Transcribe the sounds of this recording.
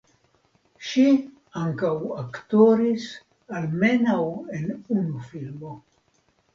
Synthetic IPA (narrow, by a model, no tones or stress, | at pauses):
ʃi | aŋkawakto̞ɾis | alme̞nawe̞nunufilmo̞